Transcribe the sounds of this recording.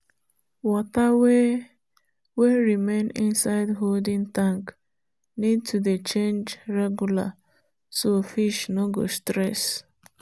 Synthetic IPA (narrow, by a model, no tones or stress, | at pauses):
wɔtawe | weɹimẽnĩnsaɪdɦoldĩŋtãŋk | nid̚tʰudet͡ʃẽnd͡ʒɹɛɡjula̰ | sofiʃnoɡo̰stɾɛs